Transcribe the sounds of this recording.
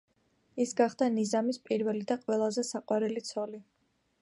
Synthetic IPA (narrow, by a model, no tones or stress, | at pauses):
isɡaχd̪anizamispʼiɾvɛlid̪aqʼwɛlˠazɛsaqʼwaɾɛlit̪sʰɔli